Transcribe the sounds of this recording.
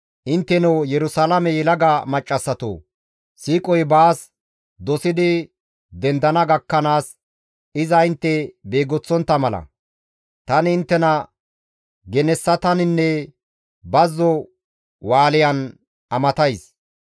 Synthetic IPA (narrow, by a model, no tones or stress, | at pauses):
ʔɪnt̪ːɛnɔwjɛɾʊsaːlɐmɛjɛlɐɡɐmɐt͡ʃʼːɐsːɐt̪o̰ː | siːkʼɔjbaːs | d̪ɔsɪd̪ɪ | d̪ɛnd̪ɐnɐɡɐkːɐnaːs | ɪzɐɪnt̪ːɛbeːɡɔt͡sːɔnt̪ːɐmɐlɐ̰ | t̪ɐnɪɪnt̪ːɛnɐ | ɡɛnɛsːɐt̪ɐnɪnːɛ | bɐzːɔ | waːlɪjɐn | ɐmɐt̪ɐjs